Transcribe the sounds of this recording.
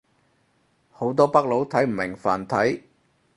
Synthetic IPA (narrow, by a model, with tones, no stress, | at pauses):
ho˨˥wt̪̬ɔː˥pɐ˥k̚lo˨˥wt̪ʰɐ˨˥jm̩˨˩mɪ˨˩ŋfa̰ː˨˩nt̪ʰɐ˨˥j